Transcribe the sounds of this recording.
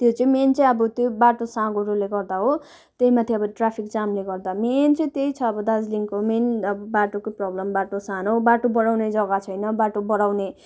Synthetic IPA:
t̪jot͡sʌĩment͡sʌĩʌbʌt̪jobaʈosãɡoɾuleɡʌrd̪aɦo | t̪eɦimat̪ʰeʌbʌʈrapʰik̚t͡samleɡʌrd̪ament͡sʌĩt̪eit͡sʰʌːbʌd̪ad͡zliŋkomenʌbʌbaʈokoprʌblʌmbaʈosanobaʈobʌɽawned͡zʌɡat͡sʰʌjnʌbaʈobʌɽawne

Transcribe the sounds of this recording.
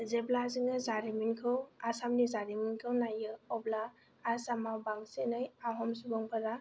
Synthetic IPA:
zeblaziŋɯzaɾiminkʰɯwasamnizaɾiminkʰɯwnajɯɔblaː | samawbaŋsenɯjaɦɔmsubɔŋpʰaɾa

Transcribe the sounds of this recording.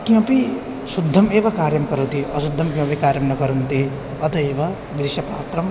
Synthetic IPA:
kĩw̃ɐpi | sud̪ʱːɐmeːʋɐkaːɾjɐmkɐɾut̪iɐsud̪ʱːɐmkĩw̃ɐpikaːɾjɐmnɐkɐɾunt̪i | ɐt̪ʰɐeːʋɐ | ʋid̪iʃɐpa̰ːt̪ɾɐm

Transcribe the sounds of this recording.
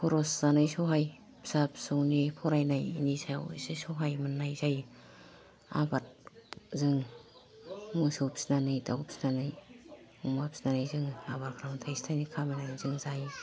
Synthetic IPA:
pʰɔɾɔszanɯjsɔɦaj | psap̚suŋnipʰɔɾajnajnisʰajwsɯsɔɦajmɯnːajzaj | a̰bat̚zɯŋ | musopsinanɯjta̰wp̚si̥nanɯj | umap̚sinanajzɯŋabaɾkʰaɾaŋtʰajstʰajnikʰamanajnzɯŋzaj

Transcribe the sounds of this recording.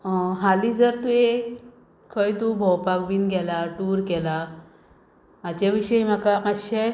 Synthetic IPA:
ɦalid͡zəɾt̪ue | kʰəjt̪ubʱɔwpakbiːnɡɛlaʈuɾkɛla | at͡ɕaʋiɕəim̤akaəɕe

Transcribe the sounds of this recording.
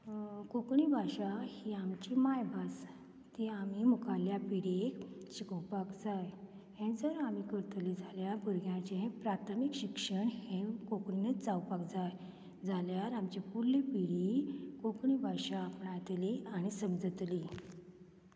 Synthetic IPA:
kokɳibʱaɕahiamt͡ɕimajbʱas | t̪iamiːmukʰaljapiɽekɕikəwpakd͡zaj | hẽd͡zəɾamikəɾt̪lid͡zʱaljabəɾɡjãt͡ɕẽɦpɾat̪ʰəmikɕikʂəɳhẽkokɳinət͡sawpakd͡zaj | d͡zʱaljaɾamt͡ɕepulːipiɽiːkokɳibʱaʂaːpɳat̪liañisəmd͡zət̪liː

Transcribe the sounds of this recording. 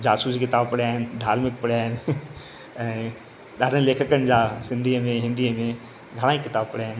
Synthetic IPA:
d͡ʑaːsuːsikɪt̪aːbpɐɽiaːɦɪnd̪ʱaːɾmɪk̚pɐɽaːɦɪn | ɛ̃ː | ɗaːɖʱənleːkʰəkəñɪ̆d͡ʑaːsɪ̃nd̪ʱiəmẽɦɪ̃nd̪ʱiəmẽ | ɡʱɐɽ̃aːikɪt̪aːbpɐɽijaːɦɪn

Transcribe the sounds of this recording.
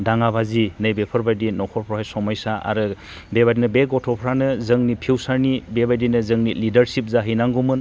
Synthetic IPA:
daŋabazinɯjbepʰɯɾbajdinɔkʰɔpʰɾɔɦajsɔmajsaʔa̰ɾɯ | bebadinɯbeɡɔtʰɔpʰɾanɯzɯŋnipʰiwsaɾnibebajdinɯzɯŋnilidɐɾsip̚zaɦijnaŋɡumɯn

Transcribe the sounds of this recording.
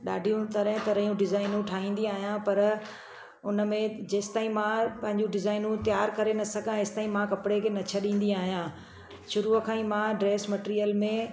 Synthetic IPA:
ɗa̰ːɖʱijũt̪ɐɾɦɪ̃t̪ɐɾəijũɖɪzaːɪnũʈʰaːĩːn̆d̪iaːɦijãpɐɾ | ʊnəmẽd͡ʑeːst̪aːɦĩmãpɐ̃ɦɪ̃ɲd͡ʑũɖɪzaːɪnũt̪jaːɾkɐɾenɐsɐɡãːst̪aːɦĩmãkɐpɪɽekʰenɐt͡ɕʰəɗĩːn̆d̪iaːɦijãː | ʃʊɾuəkʰãːĩmãɖɾeːsmɐʈːɾijəlmẽ

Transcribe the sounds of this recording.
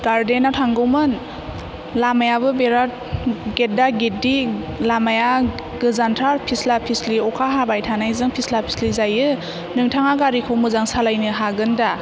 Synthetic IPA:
ɡ̥aɾdenatʰaŋɡɔwmɯn | lamajabɯbeɾat̚ɡet̚daɡit̚di | lamaja | ɡɯzantʰaɾpʰislapʰisliɔkʰaɦabajtʰanajzɯŋpʰislapʰi̥slizajɯ | nɯŋtʰaŋaɡaɾikʰɔwmɯzaŋsalajnɯɦaɡɯnda

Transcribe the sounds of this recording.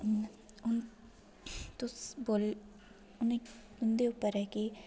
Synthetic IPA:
n | ʊn | t̪ʊsboːl | ʊne | ʊnd̪eʊpːəɾɛki

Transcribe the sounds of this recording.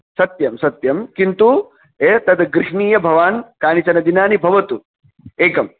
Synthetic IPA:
sɐt̪jɐmsɐt̪jɐmkint̪u | eːt̪ɐd̪ɡɾiʂɳiːjɐbʱɐʋaːnkaːnit͡ʃɐnɐd̪inaːnibʱɐʋɐt̪u | eːkɐm

